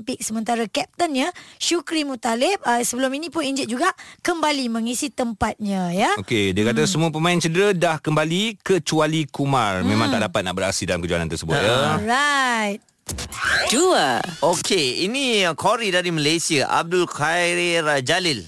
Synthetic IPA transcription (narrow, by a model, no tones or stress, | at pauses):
pɪk̚səmənt̪aɾakɛp̚t̪ənɲaʃukɾimũt̪alɪp̚əsəbəlʊminĩpʊniɲd͡ʒɛt̚d͡ʒuɡaʔkəmbaliməŋisit̪əmpat̪̚ɲãjaokediəkat̪asəmuap̬əmãɪ̃nt͡ʃədəɾadahkəmbalikət͡ʃualikumarmẽmaŋt̪aʔdapat̪̚naʔbəɾa̰sidalamkəd͡ʒuanant̪ərsəbṵt̪ɾajt̪̚ | duəokʰeinikʰoɾidaɾiməlejsiaʔa̰b̚dulkaɾiɾad͡ʒalɪl